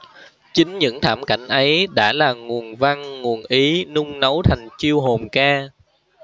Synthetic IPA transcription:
t͡ɕï˨˦ŋ̟ɲɨ̰˧˥ŋt̪ʰaː˧˩mka˧˩jŋ̟ʔə˨˦jɗa̰ː˧˥laː˨˩ŋu˨˩ənva˧ŋŋu˨˩ənʔi˨˦nʊ˧ŋ͡mnə˨˦wt̪ʰa˨˩jŋ̟t͡ɕi˧əwɦo˨˩mkaː˧

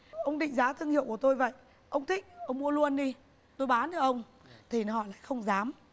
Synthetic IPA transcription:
ʔə˧wŋ͡mɗḭ˧˨ŋ̟zaː˨˦t̪ʰɨ˧əŋhḭ˧˨əwku˧˩ət̪o˧jvə̰˧˨j | ʔə˧wŋ͡mt̪ʰï˦˥k̟̚ʔə˧wŋ͡mmu˧əlu˧ənɗi˧ | t̪o˧jɓaː˨˦nɨ˧ʔə˧wŋ͡m | t̪ʰi˨˩˨hɔ̰˧˩la̰ː˧˨xə˧wŋ͡mzaː˨˦m

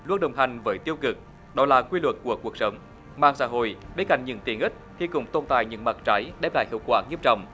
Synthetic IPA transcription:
lu˧ən̚ɗə˨˩wŋ͡mɦa˨˩jŋ̟vəː˨˦jt̪i˧əwkɨ˨˩k̚ | ɗɔ˨˦laː˨˩kwi˧lwə˨˩t̚ku˧˩əku˨˩ək̚sə˨˦wŋ͡m | ma̰ː˧˨ŋsa̰ː˧˥ɦo̰˧˨jɓe˨˦ka̰˧˩jŋɲɨ̰˧˩ŋt̪i˨˧˩əŋʔi˦˥t̚xi˧kʊ̰˨˧˩ŋ͡mt̪o˧nt̪a̰ː˧˨jɲɨ̰˧˥ŋmaː˨˩t̚t͡ɕa˨˦jɗɛ˨˦˥p̚la̰ː˧˨jhḭ˧˨əwkwaː˧˩ŋɲi˧˦˥əp̚t͡ɕɔ̰˧˨wŋ͡m

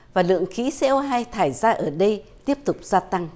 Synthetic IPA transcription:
vaː˨˩lɨ̰˧˨əŋxi˨˦sɛ̰˧˦˥ʔə˧wɦaː˧jt̪ʰaː˧˩jzaː˧ʔəː˧˩ɗə˧jt̪i˦˥əp̚t̪ʊ˨˩k͡p̚z̥aː˧t̪a˧ŋ

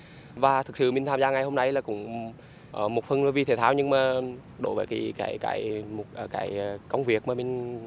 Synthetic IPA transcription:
vaː˨˩t̪ʰɨ˨˩k̚sɨ̰˧˨mï˨˩ŋ̟t̪ʰːmzaː˧ŋa˨˩jho˧mna˧jlaː˨˩kʊ̰˧˥ŋ͡m | ʔːmo˨˩t̚fə˧nla˨˦vi˧t̪ʰe˨˧˩t̪ʰaː˧˩wɲɨ˧ŋmaː˨˩ | ɗo̰˧˦jvəː˨˦jki˨˩˦kaː˧˩˦jka̰ː˧˩˦jmo˨˩t̚ʔəː˧˩kaː˨˦jkə˧wŋ͡mvi˨˩ək̚maː˨˩mï˨˩ŋ̟

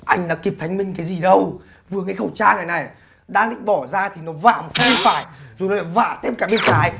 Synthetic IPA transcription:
ʔa˧jŋ̟ɗa̰ː˧˥ki˨˩p̚t̪ʰjŋ̟mï˧ŋ̟kaː˨˦jzi˨˩ɗə˧w | vɨ˨˩əŋa˨˦jxə˧˩wt͡ɕaː˧ŋaː˨˩jna˨˩j | ɗaː˧lḭ˧˨ŋɓɔ˧˩zaː˧t̪ʰi˨˩nɔ˨˦va̰ː˧˨ma˨˩˦xə˧ŋ͡mfaː˧˩jzo˨˩nɔ˨˦la˧˩va̰ː˧˨t̪ʰe˧˥p̚kaː˧˩ɓi˧ənsaː˨˦j

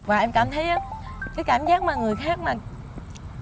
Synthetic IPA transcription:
vaː˨˩ʔɛ˧mkaː˧˩mt̪ʰə˨˦jʔaː˨˦kaː˨˦jkaː˧˩mzaː˦˥k̚maː˨˩ŋɨ˨˩əjxaː˦˥k̚maː˨˩

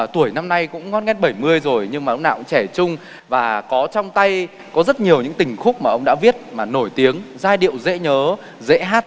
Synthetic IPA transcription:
t̪u˧˩əjna˧mna˧jkʊ̰˧˥ŋ͡mŋɔ˨˦˥nŋɛ˦˥n̚ɓə˧˩jmɨ˧əjzo˨˩jɲɨ˧ŋmaː˨˩ə˧wŋ͡mna̰ː˧˨kʊ̰˧˥ŋ͡mt͡ɕɛ˧˩t͡ɕʊ˧ŋ͡m | vaː˨˩kɔ˨˦t͡ɕɔ˧wŋ͡mt̪a˧j | kɔ˨˦zə˦˥t̚ɲi˨˩əwɲɨ̰˧˥ŋt̪ï˨˩ŋ̟xʊ˦˥k͡p̚maː˨˩ʔə˧wŋ͡mɗa̰ː˧˥vi˦˥ət̚maː˨˩no˧˩jt̪i˨˦əŋzaː˧jɗḭ˧˨əwzḛ˧˥ɲəː˨˦ | zḛ˧˥ɦaː˦˥t̚

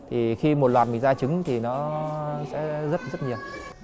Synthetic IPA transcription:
t̪ʰi˨˩xi˧mo˨˩t̚lwaː˨˩t̚mï˨˩ŋzaː˧t͡ɕɨ˨˦ŋt̪ʰi˨˩nɔ˨˦sɛ̰˧˥zə˦˥t̚zə˦˥t̚ɲi˨˩əw

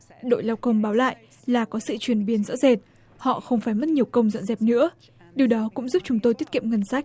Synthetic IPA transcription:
ɗo̰˧˨jlaː˧wkə˧wŋ͡mɓaː˨˦wla̰ː˧˨jʔ | laː˨˩kɔ˨˦sɨ̰˧˨t͡ɕwi˨˩ənɓi˨˦ənzɔ̰˧˥ze˨˩t̚ | hɔ̰˧˨xə˧wŋ͡mfaː˧˩jmə˦˥t̚ɲi˨˩əwkə˧wŋ͡mzə̰˧˨nzɛ˨˩p̚nɨ̰˧˥ə | ɗi˨˩əwɗɔ˨˦kʊ̰˧˥ŋ͡mzu˦˥p̚t͡ɕʊ˨˦ŋ͡mt̪o˧jt̪i˦˥t̚ki˧˨ŋə˧˩nsa˦˥jk̚

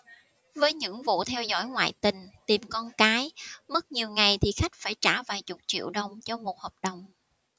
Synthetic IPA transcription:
vəː˨˦jɲɨ̰˧˥ŋvṵ˧˨t̪ʰɛ˧wzɔ̰˧˥jŋwa̰ː˧˨jt̪ï˨˩ŋ̟t̪i˨˩mkɔ˧nkaː˨˦jmə˦˥t̚ɲi˨˩əwŋa˨˩jt̪ʰi˨˩xa˦˥jk̟̚faː˧˩jt͡ɕaː˧˩vaː˨˩jt͡ɕʊ˨˩k͡p̚t͡ɕḭ˧˨əwɗə˨˩wŋ͡mt͡ɕɔ˧mo˨˩t̚hɔː˨˩p̚ɗə˨˩wŋ͡m

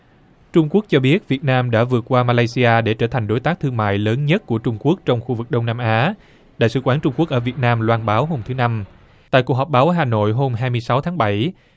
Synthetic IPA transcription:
t͡ɕʊ˧ŋ͡mku˦˥ək̚t͡ɕɔ˧ɓi˦˥ət̚vi˨˩ət̚naː˧mɗa̰ː˧˥vɨ˨˩ət̚kwaː˧maː˧laː˧jsi˧ʔaː˧ɗe˧˩t͡ɕəː˧˩t̪ʰa˨˩jŋ̟ɗo˨˦jt̪aː˦˥k̚t̪ʰɨ˧əŋma̰ː˧˨jləː˨˦nɲə˦˥t̚ku˧˩ət͡ɕʊ˧ŋ͡mku˦˥ək̚t͡ɕɔ˧wŋ͡mxu˧vɨ˨˩k̚ɗə˧wŋ͡mnaː˧mʔaː˨˦ | ɗa̰ː˧˨jsɨ̰˧˩xwaː˧˩nt͡ɕʊ˧ŋ͡mku˦˥ək̚ʔəː˧˩vi˨˩ət̚naː˧mlwaː˧nɓaː˨˦wɦo˧mt̪ʰɨ˨˦na˧m | t̪a̰ː˧˨ku˨˩k̚ɦɔ˨˩p̚ɓaː˨˦wɦaː˨˩no̰˧˨jɦo˧mɦaː˧jmɨ˧əjsa˨˦wt̪ʰaː˨˦ŋɓə˧˩j

